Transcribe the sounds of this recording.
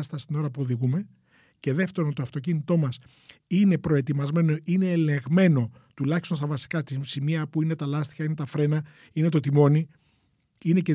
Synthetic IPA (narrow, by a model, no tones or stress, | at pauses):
st̪ɐst̪ino̞ɾɐpuo̞ðiɣume̞ | ce̞ðe̞ft̪e̞ɾont̪oɐft̪o̞c̬init̪o̞mɐs | ine̞pɾo̞e̞t̪imɐzme̞no̞ine̞ːle̞ɣme̞no̞ | t̪ulɐçist̪o̞nst̪ɐvɐsi̥kɐt̪isimiɐpuinet̪ɐlɐst̪i̥çɐine̞t̪ɐfɾe̞nɐ | ine̞t̪o̞t̪imo̞ni | ine̞ce